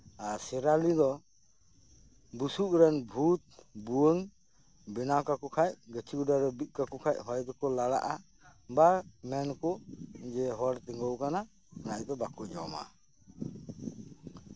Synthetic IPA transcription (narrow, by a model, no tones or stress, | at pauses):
asɛɾalid̪ɔ | busuʔɾɛnbʱut̪̚buəŋ | bɛnakakɔkʰaj̚ɡət͡ʃʰiɡuɖaɾɛbit̪̚ˀkakɔkʰac̚ɦɔjd̪ɔkɔlaɽa̰ʔa | bamɛnkɔd͡ʒɛɦɔɾt̪iŋɡɔwkana | naʔd̪ɔbakuʔd͡ʒɔma̰